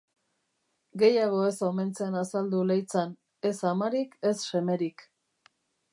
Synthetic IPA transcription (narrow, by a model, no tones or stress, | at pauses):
ɡe̞jaɣ̞o̞e̞so̞me̞nt͡seanasald̪ulejt͡san | e̞samaɾike̞sʃe̞me̞ɾik